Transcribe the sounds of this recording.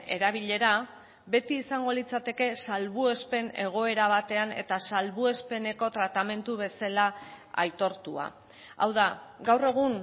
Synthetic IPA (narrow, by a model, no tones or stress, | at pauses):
e̞ɾaβ̞iʎe̞ɾa | be̞t̪iːsaŋɡo̞lit͡sat̪e̞ke̞salβue̞spe̞ne̞ɣ̞o̞e̞ɾaβ̞at̪e̞ane̞̰t̪asalβue̞spe̞ne̞ko̞t̪ɾat̪ame̞nt̪uβe̞sala | a̰jt̪o̞ɾt̪ua̰ | a̰wðaɡawre̞ɣ̞un